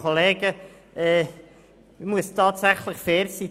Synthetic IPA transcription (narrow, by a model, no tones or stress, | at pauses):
oleːɡə | ɛː | muəstʰɑːtsæχləχfɛːɾsiː